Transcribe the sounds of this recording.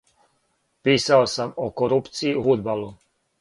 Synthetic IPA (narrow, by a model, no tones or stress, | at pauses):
piːsaosamokoɾupt̪siːfud̪balu